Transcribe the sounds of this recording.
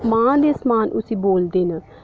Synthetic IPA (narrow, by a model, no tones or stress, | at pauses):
mãːd̪eːsmaːnʔʊ̰sĩːboːld̪eːnə